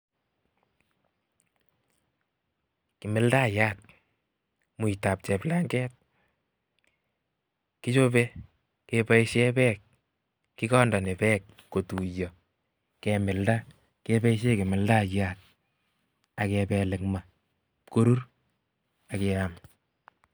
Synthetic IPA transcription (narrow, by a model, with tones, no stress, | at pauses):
kɪ˨mɪ˦lda˦˨ja˦t̚ | mu˨i˨ta˨p̚t͡ʃɛ˨pla˦ŋɡɛː˦t̚ | ki˦t͡ʃo˦be˦ | kepa˦iʃe˦pɛ˦k̚ | kːi˦kɔ˦nda˨ne˨pɛ˦kːo˨tu˨jɔ˨ | kɛmɪ˨lda˦ | ke˦bɛ˦i˦ʃe˦kɪ˨mɪ˨lda˦˨ja˦t̚ | a˨kɛpɛ˨lɪ˨kma˨ | ko˦ɾu˦r | a˨keam